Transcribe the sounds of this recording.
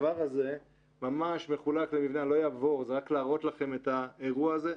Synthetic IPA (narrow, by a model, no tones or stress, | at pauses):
vaʁaze̞ | mamaʃme̞χulaklemivnalo̞jaːvo̞ʁzeʁaklaːʁo̞t̪laχe̞me̞t̪aeʁuaːze